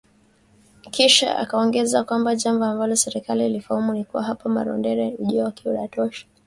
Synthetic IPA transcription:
kiʃa̰ʔa̰kaɔŋɡɛzakwambaʄamvɔambalɔsɛɾɛkalilifahamunikuwaɦapama̰ɾɔ̰ndɛɾɛuʄiaakiuɾatɔʃḁ

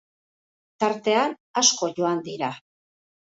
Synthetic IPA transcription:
t̪aɾt̪e̞an | asko̞ʝo̞and̪iɾa

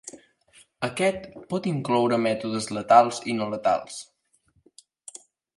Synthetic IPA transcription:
əkɛt̪pɔt̪iŋklɔwɾəmɛt̪uðəzlət̪alˠzinolət̪a̰lˠs

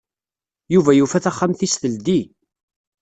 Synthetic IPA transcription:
juvæjufæθæχːamθisθəld̪i

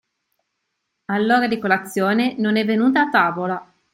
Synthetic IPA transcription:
alːoːɾad̪ikolat̪sːjoːnenonɛvːenuːt̪̬aːt̪ːaːvola

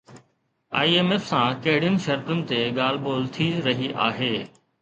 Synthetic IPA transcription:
a̰ːiːeːmeːfsãːkeɦɪɽɪjən̆ʃɐɾt̪ənɪ̆t̪eːɠaːlboːlt̪ʰiːɾɐɦiːʔaːɦeː

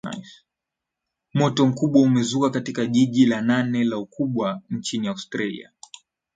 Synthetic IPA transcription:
mɔtɔm̩kuɓwaumɛzukakatikaʄiʄilananɛlaukʰuɓwant͡ʃiniaustɾalḭa̰

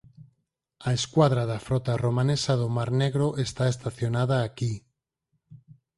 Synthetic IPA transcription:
aeskwaðɾaðafɾɔt̪aromanesaðomaɾneɣɾoʔest̪aest̪aθjonað̞aːki

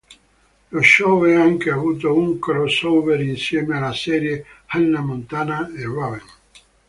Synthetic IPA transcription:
loʃɔɛaŋkeavuːt̪ouŋkɾɔsowveɾinsjɛːmealːasɛːɾjehalnamont̪aːnaerɔven

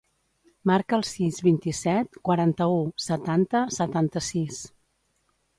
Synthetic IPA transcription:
maɾkəːlˠsizβint̪isɛt̪̚kwəɾant̪əusət̪ant̪əsət̪ant̪əsis

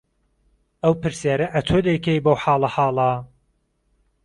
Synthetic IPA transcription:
ɐwpɨɾsjaːɾɐʔɐt̪ʰod̪ɐjkʰejbowħaːlˠɐħɑːlˠa

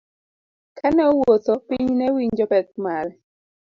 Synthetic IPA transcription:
kʰanɛowot̪opiɲnɛwiɲd͡ʒɔbɛk̚mal

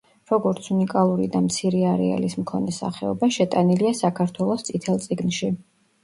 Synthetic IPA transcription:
ɾɔɡɔɾt̪sʰunikʼalˠuɾḭd̪amt̪sʰiɾɛaɾɛ̰a̰lismkʰɔnɛsa̰χɛɔbaʃɛt̪ʼaniliasakʰaɾt̪ʰwɛlˠɔst̪sʼit̪ʰɛlˠt̪sʼiɡnʃi

